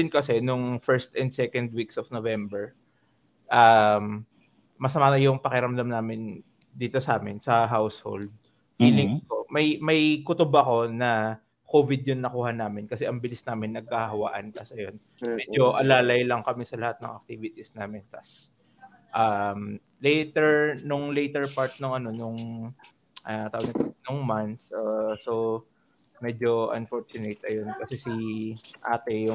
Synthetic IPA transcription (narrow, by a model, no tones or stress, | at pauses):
ɪnkɐsɛnʊŋfɛɹst̪ɛnd̪sɛkɐnd̪wiksofnovɛmbɛɹ | ʔamː | ɐsɐmaːnɐjʊŋpɐkɪɾɐmd̪ɐmnaːmɪn | d̪iːt̪osɐʔaːmɪnsɐɦawsho̰ld̪̚ | fiːlɪŋkomɐjmɐjkʊt̪ʊbɐɐko̞nɐ | koːvɪd̪̚jʊnːɐkuːhɐnaːmɪnkɐsɛʔɐŋbɪlɪsnaːmɪnːɐɡ̚kɐhɦɐwaʔant̪ɐsɐjon | mmɛd͡ʒoʔɐlaːlɐjlɐŋkɐmɛsɐlɐhat̪̚nɐ̰ŋʔɐ̰k̚t̪iːvɪt̪isnaːmɪnt̪as | ʔam | lɛjt̪ɛɹnʊŋlɛjt̪ɛɹpaɹt̪̚nʊŋɐno̞nʊŋ | ʔat̪awɐɡɐnʊŋmant̪sʔoso | mɛd͡ʒo̞ɐ̰nfoɹt͡ʃʊnet̪ɐjo̞nkɐsɛsiʔaːt̪ɛjʊ